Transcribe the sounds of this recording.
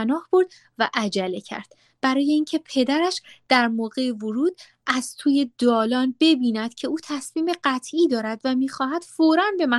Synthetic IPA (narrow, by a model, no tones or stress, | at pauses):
nɒːhb̥oɾd̪̚ | væʔæd͡ʒælecʰæ̰ɾd̪̥ | b̥æɾɒːje̞incʰe̞pʰe̞d̪æɾæʃd̪̥æɾmoːɣe̞evoɾuːd̪̥ | ʔæz̥t̪ʰuːje̞d̪ɒːlɒːnbe̞biːnæd̪̥cʰe̞uːt̪ʰæsmiːmeɢæt̪ʰʔiːd̪ɒːɾæd̪væmiːxɒːɦæd̪̥foːɾænbe̞mæ